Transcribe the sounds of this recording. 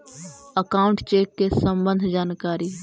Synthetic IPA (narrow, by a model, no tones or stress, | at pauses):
əkaːʊɳʈt͡ʃeːkːesə̃mbə̃nd̪ʱd͡ʒaːnkaːɾi